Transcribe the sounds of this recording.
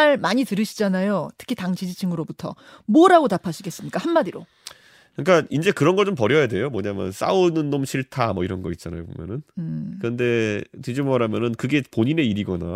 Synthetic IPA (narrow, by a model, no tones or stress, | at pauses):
aɭmaɲitɯɾɯɕʰid͡ʑanajotʰɯ̥kʰitaŋt͡ɕʰid͡ʑit͡ɕʰiŋɯɾobutʰʌ̰ | mʌɾaɡotapʰaɕʰiɡe̞s͈ɯmɲik͈ahanmaɾiɾo̰ | kɯɲik͈aind͡ʑe̞kɯɾʌnɡʌɭt͡ɕompʌɾjʌjade̞jomʌɲamjʌ̰ns͈a̰unɯnːomɕʰiɭtʰamʌiɾʌnɡʌit̚t͡ɕ͈ana̰jobo̰mjʌ̰nɯnkɯɾɯnde̞tid͡ʑimmaɾamjʌnɯnkɯɡe̞poɲine̞iɾiɡʌna̰